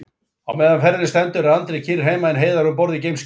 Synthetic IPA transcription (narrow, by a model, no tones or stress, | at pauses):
a̰wmɛːðanfɛɾɪnɪst̪ɛnt̪ʏɾaðant̪ɾɪcʰirɦeːjmaɪnɦeːjðaɾʏmpɔɾðɪcejms